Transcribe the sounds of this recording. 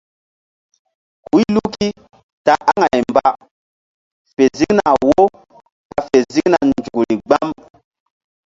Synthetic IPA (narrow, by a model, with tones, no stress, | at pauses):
hu˦lu˦ki˦ | ta˨ʔa˦ŋa˨jmba˦ | fe˨zi˦kna˨wo˦ | ka˨fe˨zi˦kna˨nd͡ʒu˨kli˨ɡ͡ba˦m